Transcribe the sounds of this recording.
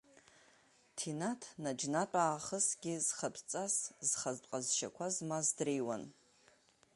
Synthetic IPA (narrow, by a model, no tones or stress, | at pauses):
tʰinatʰnad͡ʒnatʷʼaːχəsɡʲiz̥χapʰt͡sʼaszχaztʼqʼazʃa̰kʷʰazmazdrejwa̰n